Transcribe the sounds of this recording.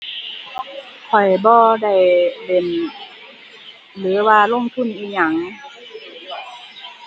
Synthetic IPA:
kʰɔ˨˩jbɔː˧da˧˩jbe˨˩n | lɯː˨˦waː˧lo˧˥˨ŋt̪ʰu˧˥˨nʔiː˧˨ɲa˧˩ŋ

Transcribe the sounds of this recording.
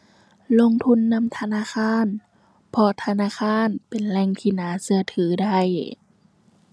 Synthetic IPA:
lo˧˨ŋt̪ʰu˧˥˨nːa˧˥˨mt̪ʰa˧naː˧˥˨xaː˧˥˨n | pʰɔ˧t̪ʰa˧naː˧˥˨xʰaː˧˥˨npe˨nlɛː˧˨ŋt̪ʰiː˧˩naː˨˦sɯ˧ɐt̪ʰɯː˨˩˦da˧˥˩j

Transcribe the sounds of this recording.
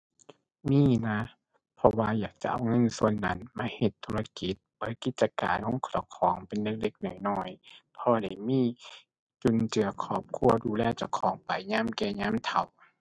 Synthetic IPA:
miː˧˥˨na˧˥ | pʰɔ˧waː˧jaː˨˩k̚t͡ɕa̰˧ʔa̰˧˩wŋɤ˧˥˨nsu˧ənːa̰˧˥nmaː˧˩˨he˨˧˩t̪ʰːu˧la˧ki˨˦t̪̚b̥ɯː˨˦jki˧˦t̪̚t͡ɕa˧ka̰ː˨nho˧˥˨ŋkʰɔ˨˧˩wkʰɔː˨˦ŋpe˨nle˧k̚de˧k̚nɔ˨˩˦jnɔː˧˥˩jpʰɔː˧da˧˩jmiː˧˥˨ | t͡ɕu˧˨nt͡ɕɯ˨ɐkʰɔː˧˩p̚kʰu˧ɐduː˧lɛː˧˩t͡ɕa˧˩wkʰɔː˨˦ŋpa˨jɲaː˧˥˨mkɛː˧˩ɲaː˧˥˨mt̪ʰa̰˨˦w

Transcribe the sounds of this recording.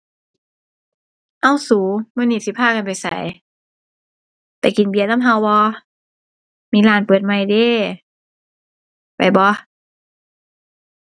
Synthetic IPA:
ʔa˧˨wsuː˨˦maː˧˨niː˧˩si˧˦pʰaː˧˥˨ka˨npa˨˩jsa̰˨˦j | t̪ɛː˧˩ki˨˩nbi˧˨ə˨na˧˥˨mɦa˧wbɔː˧ | miː˧˥laː˨˦npɤː˨˩t̪̚ma˧˩jde˧˨ | pa˨˩jbɔ˧˦

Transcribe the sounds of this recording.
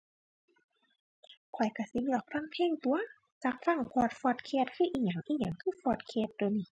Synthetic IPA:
kʰɔ˨˩jka˧˩si˧˦lɯ˧˩ək̚ʰla˧˥˨ŋp̪ʰɛː˧˥˨ŋt̪u˧˦ɐ | t͡ɕa˧˥k̚fa˧˩˨ŋpʰɔː˧˩t̪̚fɔː˧˩t̪̚kʰeː˧˨t̪̚kʰɯː˧˩˨ʔiː˧˩ɲa˨˩ŋʔiː˧˥ɲa˨˧˦ŋkʰɯː˧˥˨fɔː˧˩t̪̚kʰeː˧˩t̪̚dniː˧˩˨

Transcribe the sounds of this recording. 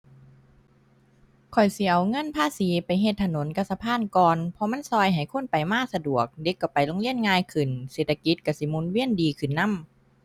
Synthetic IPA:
kʰɔ˨˩jsi˨˧˦ʔa˨˩wŋɤ˧˥˨npʰaː˧˥˨siː˨˦pa˨jɦe˧t̪ʰːa˧no˨˦nka˧sa˧pʰaː˧˥˨nkɔː˧npʰɔ˧ma˧˥˨nsɔː˧jɦa˨˩jkʰo˧˥˨npa˨˩jmaː˧˥˩k̚sa˧du˨˩ək̚de˧˦kːa˧˩pa˨jlo˧˥ŋli˧˩˨ənŋaː˧jkʰɯ˨˩nse˨˩t̪ʰːa˧ki˧˦t̪̚ka˧˩si˧˦mu˧˥˦nwi˧˥˩əndiː˨˧kʰɯ˨˩nːa˧˥˨m

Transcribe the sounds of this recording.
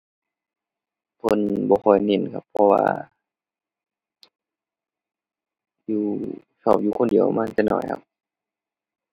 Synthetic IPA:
pʰo˧˥˨nbɔː˧kʰɔ˧˩jne˧˩˨nkʰa̰˧˩pʰːɔ˧wa̰ː˧ | juː˧ | sɔː˧˩p̚juː˧kʰo˧˥˨ndi˨˩˦ə˦wma˧˥˨nt̪ɛ˧˨nʔɔ̰˧˩jkʰa̰˧p̚

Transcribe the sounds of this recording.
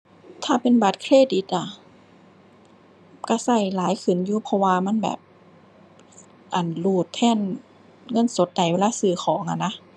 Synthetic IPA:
t̪ʰaː˧˩pe˨nba˨˦t̪̚kʰɾeː˧˥˨di˧˦t̪̚ʔa˧˩ | ka˧˥˩sa˧˩jlaː˨˦jkʰɯ˨˩njuː˧pʰɔ˧waː˧ma˧˥˨nbɛ̰ː˨˩p̚ | ʔa˨˩nluː˧˩t̪ʰːɛː˧˥˨n | ŋɤ˧˥˨nso˨˦t̪̚da˨˩jweː˧laː˧˥˨sɯː˧˩xʰɔː˩˦ŋʔa˧˨na˧˥

